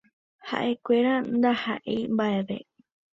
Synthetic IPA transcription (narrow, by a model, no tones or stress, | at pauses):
ha̰ʔe̞kʷeɾand̪aha̰ʔḛjmbaʔeʋe̞̰